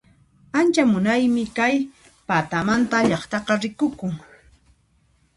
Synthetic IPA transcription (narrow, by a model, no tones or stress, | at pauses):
ant͡ʃamʊnajmɪkaj | pat̪amant̪aʎɑχt̪ɑqɑɾɪkʊkʊŋ